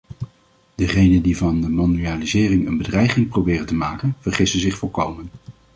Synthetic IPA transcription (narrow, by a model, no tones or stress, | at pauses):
d̥əχejnəndivɑndəmɑnyaːlizɪːrɪŋənbədrɛjχɪŋprowbɪːrəntəmaːkənv̥ərχɪsəzɪχfɔlˠkowmən